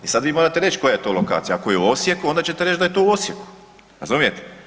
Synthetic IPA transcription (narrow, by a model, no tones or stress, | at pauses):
isad̪ʋiːmoɾat̪eɾet͡ʃko̞jajet̪o̞loka̰ːt̪sijaakojeuo̞sjekuo̞nd̪at͡ɕet̪eɾe̞t͡ʃd͡ʒd̪ajet̪o̞ːuo̞sjeku̥ | ɾa̰zumijet̪e̥